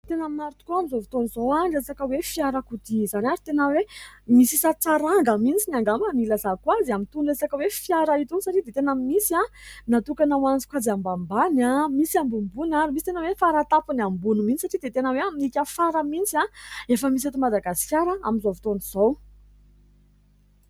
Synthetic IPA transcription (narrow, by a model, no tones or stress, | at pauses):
t̪enaminaɾut̪u̥kuamizovit̪onizowanɖ͡ʐesakəwefjaɾəkud̪izanaɾit̪enəwemisisat͡saɾaŋɡamint͡sinaŋɡamanilazakwaziamint̪unresakəwefiaɾait̪unisaʈ͡ʂid̪et̪enammisianat̪ukanawant͡si̥kʷazambambanamisambumbunaɾimisi̥t̪enəwefaɾat̪apunambunuminisaʈ͡ʂid̪et̪enəweaminikʲəfaɾəmint͡siaefəmis̬et̪umad̪aɡasi̥kʲjaɾəa̰minzovit̪oniz̥ow